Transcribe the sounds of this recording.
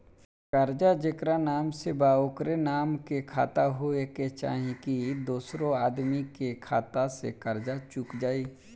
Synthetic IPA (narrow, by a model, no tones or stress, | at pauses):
kəɾd͡ʒad͡ʒekɾanaːmsebaːoːkɾenaːmkekʰa̰ːt̪aɦoeket͡ʃa̰ːɦĩkid̪oːsɾõaːd̪mikekʰaːt̪asḛkəɾd͡ʒat͡ʃukd͡ʒaːiː